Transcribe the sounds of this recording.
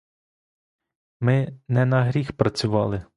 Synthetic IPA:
mɪnɛnɐɦɾʲixpɾɐt͡sʲʊʋɑlˠɪ

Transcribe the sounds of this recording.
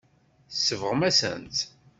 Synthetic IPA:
θsːəvəʁmæsə̰nt̪

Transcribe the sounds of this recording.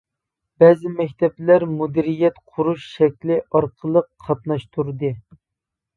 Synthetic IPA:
bɛːzɪmɛkʲt̪ʰɛplæɾmud̪iɾijɛt̪qʰʊɾuʃʃɛkʲlɪʔɑɾqʰəlˠəqʰːɑt̪nɑʃt̪ʰuɾd̪ɨ

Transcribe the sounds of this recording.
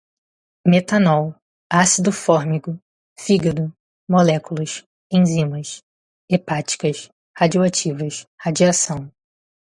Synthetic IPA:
met̪anɔw | asid̪ʊfɔɾmikʊ | fiɡɐd̪ʊ | molɛkulɐʃ | ẽj̃zĩmɐs | epat͡ʃi̥kɐʃ | had͡ʒioat͡ʃivɐshad͡ʒiasɐ̃w̃

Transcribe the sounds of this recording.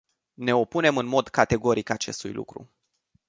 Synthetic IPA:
ne̞o̞pune̞mɨnmo̞d̪kat̪e̞ɡo̞ɾikat͡ʃe̞st̪ṵjlʔṵkɾṵ

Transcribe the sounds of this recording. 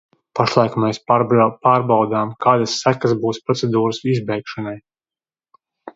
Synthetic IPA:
paʃlˠajkmɛspaːɾbawd̪aːmkaːd̪asːækazbuːspɾɔt̪sed̪uːɾsizbɛjkʃanaj

